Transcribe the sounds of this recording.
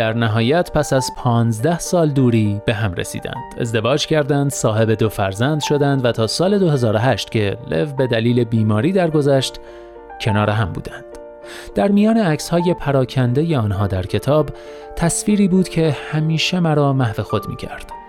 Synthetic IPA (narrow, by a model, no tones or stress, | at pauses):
d̪̥æɾnæɦɒːjæt̪ʰpʰæsæzpʰɒːnzd̪æhsɒːld̪uːɾiːb̥e̞ɦæmrḛsḭːd̪æ̰nd̪̥e̞̰zd̪e̞vɒːd͡ʒcʰæɾd̪ænd̪sɒːɦe̞be̞d̪o̞fæɾzænd̪̥ʃo̞d̪ænd̪væt̪ʰɒːsɒːle̞d̪o̞he̞zɒːɾo̞ɦæʃt̪cʰe̞le̞vbe̞d̪æliːle̞biːmɒːɾiːd̪æɾɡo̞zæʃt̪ | cʰe̞nɒːɾeɦæmbṵːd̪ænd̪̥ | d̪æɾmijɒːneæcshɒːje̞pʰæɾɒːcʰænd̪e̞je̞ɒːnɦɒːd̪æɾcʰe̞t̪ʰɒːb | t̪ʰæsfiːɾiːbuːd̪̥cʰe̞hæmiːʃe̞mæɾɒːmæhve̞xo̞d̪mḭːcʰæɾd̪̥